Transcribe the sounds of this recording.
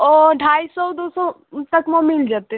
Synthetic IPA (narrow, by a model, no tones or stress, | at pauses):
ɔɖʱaːisɔd̪osɔ | t̪əkmɔ̃mɪld͡ʒaːt̪e